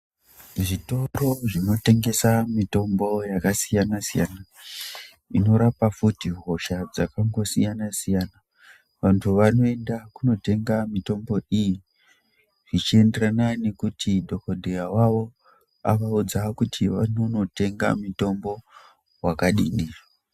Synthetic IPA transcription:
ʐito̞ro̞ʐino̞te̞ŋɡe̞samito̞mbo̞jakasijanasija̰na | ino̞ɾapafutiɦo̞ʃad͡zakaŋɡo̞sijanasijana | ʋantʰuʋano̞e̞ndakuno̞te̞ŋɡamito̞mbo̞ʔiji | ʐit͡ʃie̞nde̞ɾanane̞kutidʱo̞kodʱejawaʋo̞ | a̰ʋaud͡zakutʰiʋanono̞te̞ŋɡa̰mito̞mbo̞ | wakaɗindira

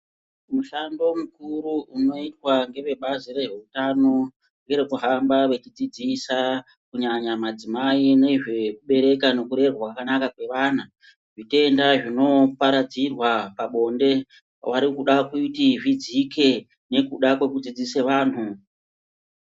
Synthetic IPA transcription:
muɬando̞mukuɾuʔuno̞itwaŋɡe̞ʋe̞ɓaziɾe̞ʐe̞utano̞ | ŋɡe̞ɾe̞kuɦambaʋe̞t͡ʃid͡zid͡zisa | kuɲaɲamad͡zimaine̞iʐe̞k̚uɓe̞ɾe̞kano̞kuɾe̞rwakakanakakwe̞ʋaːna | ʐite̞ndaʐino̞paɾad͡zirwapaɓo̞nde̞ | wʔaɾikuɗakutiʐid͡zike̞ | ne̞kuɗakwe̞kud͡zid͡ziseʋaːn̤u

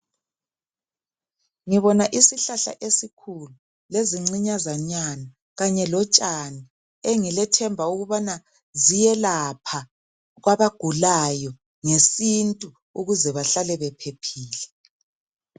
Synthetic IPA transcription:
ŋiβɔnaʔisiɬaɬa̰ʔesikʰulu | leziŋ͡ǀiɲazaɲana | ɣaɲɛlɔt͡ʃʼani | eŋilɛtʰɛmbʱauɣuβana | zijɛlapʰa | ɣwaβaɡ̥ʱulajɔ | ŋesintʼu | uɣuzɛβaɬalɛβɛpʰepʰiːlɛ

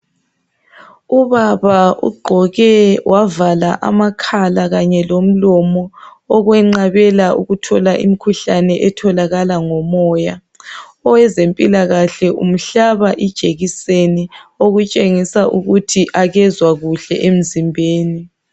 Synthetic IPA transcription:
uβaβaṵɡ͡ǃʱɔɣɛwʔavalaʔa̰makʰalaɣaɲɛlom̩lɔmɔːɣwɛŋ͡ǀaβɛlaṵɣutʰɔlaʔḭmikʰuɬanɛʔɛtʰɔlaɣalaŋɔmɔːja | ɔwɛzempʼilaɣaɬɛʔṵm̩ɬaβaʔid̥ʒ̥ʱʼeɣisenioɣut͡ʃʼeŋisaʔuɣutʰiʔaɣɛzwaɣuɬɛ̰ʔem̩zimbʱeːni

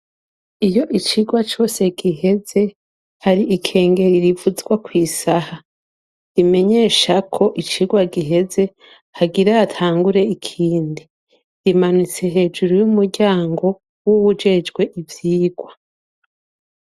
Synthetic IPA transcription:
ijo̞ʔit͡ʃiɡwat͡ʃo̞ːse̞ɡiɦe̞ze̞ | haɾiʔikʰe̞ːŋɡe̞ɾiɾivuzɡwakwiːsaha | ɾime̞ɲe̞ːʃakʰo̞ʔit͡ʃiɡwaɡiɦe̞ze̞ | haɡiɾaatʰaːŋɡuɾe̞ikʰiːndi | ɾimanut͡se̞ɦe̞ːd͡ʒuɾujumuɾɟaːŋɡo̞ | wuwud͡ʒe̞d͡ʒɡwe̞ʔivjiːɡwa

